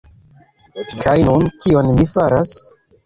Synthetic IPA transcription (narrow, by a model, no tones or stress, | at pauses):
kʰajnunkio̞nmifaɾas